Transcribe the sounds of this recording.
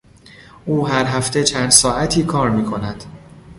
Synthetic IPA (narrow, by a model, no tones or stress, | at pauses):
ʔuːɦæɾɦæft̪ʰe̞t͡ʃʰæːnd̪sɒːæt̪ʰiːkʰɒːɾmiːkʰo̞næd̪̥